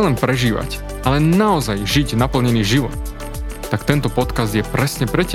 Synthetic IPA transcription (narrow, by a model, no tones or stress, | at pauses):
lɛnpɾɛʒiːʋa̰c | ʔalɛnaɔzajʒiɟnapl̩ɲɛniːʒiʋɔt̪ | t̪akt̪ɛnt̪ɔpɔt̪kazd̪jɛpɾɛsɲɛpɾɛca